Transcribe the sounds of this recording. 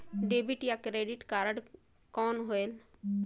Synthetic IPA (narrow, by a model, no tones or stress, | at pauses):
ɖeːbɪʈjakɾeːɖɪʈkaːɾəɽ | kɔːnɦoeːl